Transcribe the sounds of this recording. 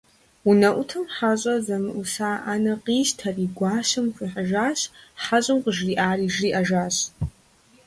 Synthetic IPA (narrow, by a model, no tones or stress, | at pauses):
unɐʔʷʊtʰɨmħaɕʼɐzɐmɨʔusaːʔaːnɐqiːztʰɐriːɡʷaːsɨmkʰʷiħaʒaːɕħaɕʼɨmqəʒriːʔaːriːʒriːʔɐʒaːɕ